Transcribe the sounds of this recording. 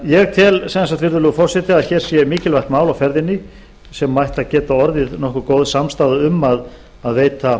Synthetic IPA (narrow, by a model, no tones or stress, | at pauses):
jɛɣt̪ʰɪlsɛsat̪vɪɾðʏlʏɣfɔrsɛt̪ɪaðçɛɾ̥sjɛmiːcɪlvajht̪maːwlawfɛɾðɪnːɪ | sɛmːajht̪aðcɛːt̪aɔɾðɪðnɔhkʏkoːwðsamst̪aːðʏʏmːað | aðveːjt̪a